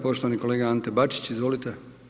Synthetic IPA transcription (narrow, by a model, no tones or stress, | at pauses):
po̞ʃt̪oʋaniko̞leːɡaant̪ebat͡ʃi̥t͡ɕizʋo̞lit̪e